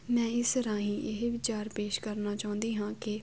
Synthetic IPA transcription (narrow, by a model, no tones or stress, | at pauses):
mɛ̃ːɪst̪əɾãːɦĩːʔɪɦʋɪt͡ʃaːɾpeːʃkəɾnaːt͡ʃaːʊ̃nd̪iːɦãːkɪ